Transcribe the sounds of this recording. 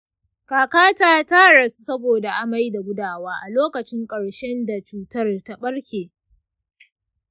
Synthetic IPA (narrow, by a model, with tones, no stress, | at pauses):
kaː˨kaː˦taː˦taː˦ɽɐ˨su̥˦sɐ˦boː˨da˨ʔa˦ma˦jda˨ɡʷʊ˦daː˦˨waː˦ʔa˨loː˦kɐ˨t͡ʃɪ˦ŋkʼɐ˨ɽʃɛ˦nda˨t͡ʃuː˦tɐ˦rta˦ɓɐ˦ɽkʲeː˨